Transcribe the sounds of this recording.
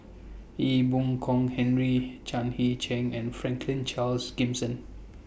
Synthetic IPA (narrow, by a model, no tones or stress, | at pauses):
ibũŋkʰɔ̃ŋhɛ̃nɹit͡ʃãnhit͡ʃɛ̃ŋɛ̃nfɹɛ̃ŋkʰlĩnt͡ʃalsɡĩmsə̃n